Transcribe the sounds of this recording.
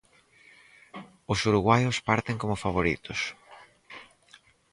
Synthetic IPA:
ʊsuɾuɣwajʊspaɾt̪eŋkomʊfaβ̞oɾḭt̪ʊs

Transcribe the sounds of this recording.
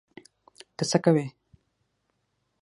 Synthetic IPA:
t̪əsakawe

